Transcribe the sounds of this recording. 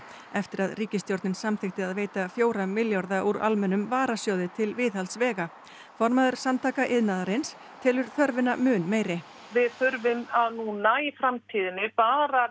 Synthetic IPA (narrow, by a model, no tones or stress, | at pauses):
ɛft̪ɪɾaðriːcɪst̪jowɾt̪nɪnsamθɪxt̪ɪaðveːjt̪afjoːwɾamɪljɔɾðaʔuɾa̰lmɛnːʏmvaːɾasjoːwðɪt̪ʰɪlvɪðhalsvɛːɣa | fɔɾmaðʏɾ̥samnt̪ʰaːkaʔɪðnaːðaɾɪns | t̪ʰɪlʏɾ̥θœɾvɪnamʏːnmeːjɾɪ | vɪðθʏɾvɪmaðnunaːjɪfɾamt̪ʰiːðɪnɪpaːɾa